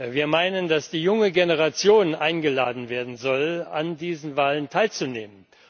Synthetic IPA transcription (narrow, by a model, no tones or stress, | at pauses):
viːɐmaɪnəndasd̥iːjʊŋəɡenəʁ̞at͡sjoːnʔaɪnɡəlaːdn̩veːɐdn̩zɔlandiːzn̩vaːləntʰaɪlt͡suneːmən